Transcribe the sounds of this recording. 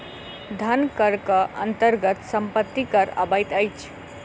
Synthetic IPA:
d̪ʱənkəɾkʌʔə̰nt̪əɾɡət̪səmpət̪ːikəɾə̰bəjt̪əjt͡ʃʰ

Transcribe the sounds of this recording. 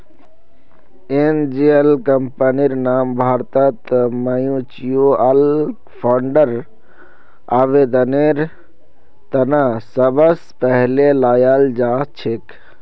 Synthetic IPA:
eːnd͡ʒeelkəmpəniɾnaːmbʱaːɾt̪ət̪məjũt͡ʃijoɐl | pʰaːɳɖəɾ | aːʋeːd̪əneːɾ | t̪ɐnasɐbəspəɦlelaːjaːld͡ʒaːt͡ʃʰek

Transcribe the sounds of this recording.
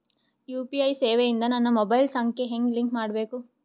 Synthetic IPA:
juːpiɐjseːʋejind̪ɐnɐnːɐmɔbɐjlsɐŋkʰeɦeŋɡliŋkmaːɽbe̞ːku

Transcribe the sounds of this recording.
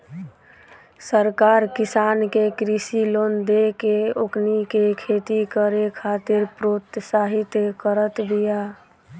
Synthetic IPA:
səɾkaɾkisankekɾisilond̪ekeoknikekʰet̪ikəɾekʰat̪ɪɾpɾot̪saɦit̪jkəɾət̪bija

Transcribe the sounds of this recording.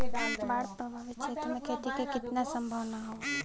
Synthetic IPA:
baːɾt̪obaʋɪt͡ʃʰet̪mẽket̪ikekɪt̪nasəmbʱəʋnaɦoː

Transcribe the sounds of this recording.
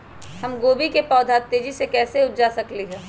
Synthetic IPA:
hɐmɡoːbikepɔːd̪ʱaːt̪ːeːd͡ʒisekɛːseʊtd͡ʒasɐkliɦɛ̃ː

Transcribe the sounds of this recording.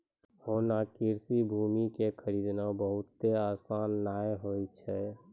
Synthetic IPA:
hoːnakiɾsibʱuːmikekʰəɾiːd̪nabəɦʊt̪ːeaːsaːnːaːeɦoːit͡ʃʰɛː

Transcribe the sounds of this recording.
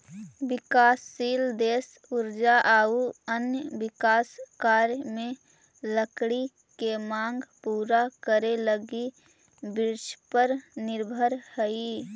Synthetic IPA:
bɪkaːsːiːld̪eːs | ʊɾd͡ʒaʔaːuənjəbɪkaːskaːɾjmẽ | ləkɽi | kemãːŋɡpuːɾakəɾeləɡi | bɪɾʃpəɾnɪɾbʱəɾhəi

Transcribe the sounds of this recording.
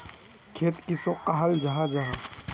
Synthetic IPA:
kʰeːt̪kisoqaɦəld͡ʒaɦad͡ʒaɦa

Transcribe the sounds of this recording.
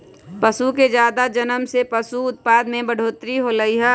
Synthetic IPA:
pəsuked͡ʒjaːd̪ad͡ʒənəmsepəsuʊt̪̚paːd̪mẽbəɽ̤ʱoːt̪ɾiɦolɐiɦɛ

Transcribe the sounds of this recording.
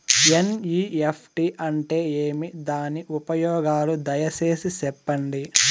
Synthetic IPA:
eniːepʰʈiʔɐɳʈe̞ːeːmid̪aːniʔupɐjɔːɡaːlud̪ɐjɐse̞ːsisɛpːɐɳɖi

